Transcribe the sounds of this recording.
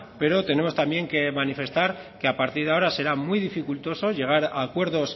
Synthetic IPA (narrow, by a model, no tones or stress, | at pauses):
pe̞ɾo̞t̪e̞ne̞mo̞st̪ambje̞ŋke̞manife̞st̪aɾkeapaɾt̪iɾðeao̞ɾase̞ɾamwuijðifikult̪o̞so̞ʝe̞ɣ̞aɾa̰ːkwe̞ɾðo̞s